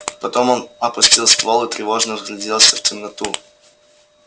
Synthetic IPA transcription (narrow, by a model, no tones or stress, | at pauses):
pɐt̪o̞monɐpʊsʲtʲilˠst̪volˠʊt̪ɾʲɪvo̞ʐnəvzlʲɪdʲelˠsʲəftʲɪmnɐt̪u